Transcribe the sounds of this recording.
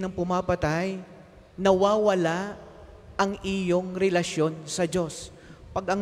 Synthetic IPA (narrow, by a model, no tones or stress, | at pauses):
nɐŋpʊmapɐt̪aj | nɐwaːwɐla | ʔɐŋʔɪjo̞ŋɾɛlɐʃjo̞nsɐd͡ʒo̞s | pɐɡɐŋ